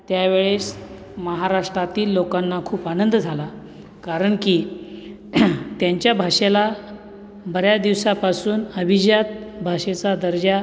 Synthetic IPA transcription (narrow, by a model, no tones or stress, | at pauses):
t̪jaʋeɭes | məɦaɾaʂʈɾat̪iːlːokanːakʰuːpanənd̪d͡zʱala | kaɾəɳkiː | t̪jaɲt͡ɕjabʱaʂela | bəɾjad̪iʋsapasuːnəbʱid͡ʑjat̪̚bʱaʂet͡sad̪əɾd͡ʑa